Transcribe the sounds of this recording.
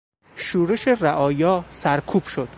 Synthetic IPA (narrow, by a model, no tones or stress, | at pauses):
ʃuːɾeʃeræʔɒːjɒːsæɾkʰuːb̥ʃod̪̥